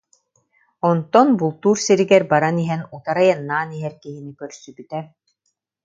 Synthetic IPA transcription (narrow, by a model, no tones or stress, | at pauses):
ɔnt̪ɔnbulˠt̪uːɾsiɾiɡɛɾbaɾaniɦɛnut̪aɾajanːaːniɦɛɾkiɦinikœɾsybyt̪ɛ